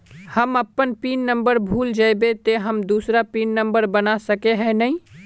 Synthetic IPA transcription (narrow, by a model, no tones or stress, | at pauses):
həməpːənpiːnnə̃mbəɾbʱuːld͡ʒaːbet̪eɦəmd̪uːsɾapiːnːə̃mbəɾbənasɐkeɦɛ̃nɐɦĩ